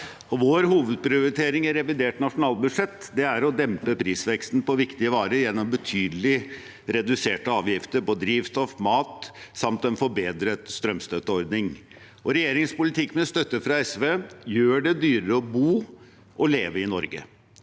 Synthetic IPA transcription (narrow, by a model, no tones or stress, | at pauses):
ɔʋoːɾɦuːʋəd̪̚pɾɪʊɾɪt̪ʰeːɾɪŋæɾɛʋɪd̪eːʈnɑʂʊnɑːlbʉd̪ʂɛt̪ːd̪ɛæɾɔd̪ɛmpəpʰɾiːsʋɛkst̪npɔʋɪkt̪ɪəʋɑːɾəɾjɛnːɔmbət̪ʰyːd̪lɪ | ɾɛd̪ʉseːʈəɑːʋjɪft̪əɾpɔd̪ɾiːʋst̪ɔfmɑːt̪sɑmt̪ɛnfɔɾbeːd̪ɾət̪st̪ɾœmst̪œt̪ːəɔɾd̪nɪŋ | ɔɾɛjeːɾɪŋspʊlɪt̪ʰɪkːmɛst̪œt̪ːəfɾɑɛsʋeːjøːɖɛd̪yːɾəɾəɔbuː | ʔɔleːʋəɪnɔɾɡə̰